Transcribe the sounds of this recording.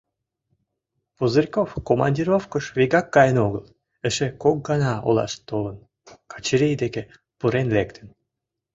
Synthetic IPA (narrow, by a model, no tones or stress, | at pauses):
puzərʲkofkomɑ̰nʲdʲiɾofkəʃviɣɑkːɑjənoɣəl | əʃekok̚ɡɑnɑo̰lɑ̰ʃt̪olən | kɑ̥t͡ɕiɾʲejd̪eke | puɾenlekt̪ʰən